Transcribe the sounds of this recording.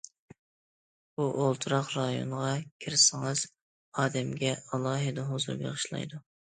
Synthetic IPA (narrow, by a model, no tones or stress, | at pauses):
buʔolˠt̪ʰuɾɑqɾɑjo̰nʁɑkʲʰiɾɪsɪŋɨz̥ | ɑːd̪ɛmɡʲɛɑlˠɑːɦɨd̪ɛɦozṵɾbḛʁɨʃlˠɑ̰jd̪u